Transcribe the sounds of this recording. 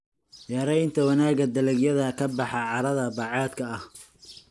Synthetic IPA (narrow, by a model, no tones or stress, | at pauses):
jɑɾɛjnt̪ʰɐwɑnaːɡɐd̪ɐlɛɡjɐðɐkʰɐbɑħɑʕɑɾɐðɐbɑʕɑːd̪kʰɐɐh